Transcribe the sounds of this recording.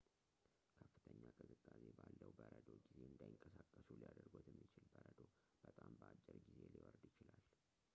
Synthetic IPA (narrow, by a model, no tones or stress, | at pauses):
kʰəfːɨt̪ʰəɲːakʼɨzɨkʼːasebalːəwbəɾəd̪oɡize̞ɨnd̪ajɪŋkʼəsakʼːəsulijad̪əɾɡot̪jɛmːit͡ʃɪlbəɾəd̪o | b̥ət̪ʼambəat͡ʃʼːəɾɡize̞liwɔɾd̪jɪt͡ʃɪlal